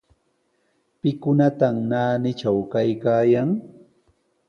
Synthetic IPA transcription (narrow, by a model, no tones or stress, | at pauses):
pɪkʊnat̪amnaːnɪt͡ʃawkajkaːjaŋ